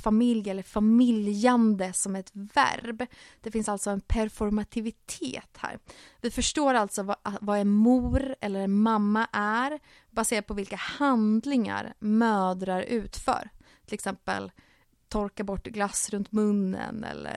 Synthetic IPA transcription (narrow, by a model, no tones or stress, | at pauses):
famɪljɛlːəɾfamɪljand̪əsɔmɛɛt̪væ̰ɾbd̪̥ɛfɪnsalt̪sɔɛnpʰæɾfɔɾmat̪ʰɪvɪt̪ʰḛːt̪hæ̰ːɾ | vɪfœʂʈoːɾalt̪sɔvavaɛnmuːɾɛ̰lːəɾɛnmamːaʔæɾ | baseːɾad̪̚pʰɔvɪlkahand̪lɪŋa̰ɾmœːd̪ɾaɾʉ̟ːt̪fœ̰ːɾ | t̪ʰɪlɛksɛmpə̰l | t̪ʰɔɾkabɔʈːɡlasːɾɵnt̪mɵnːə̰nɛ̰lːə̰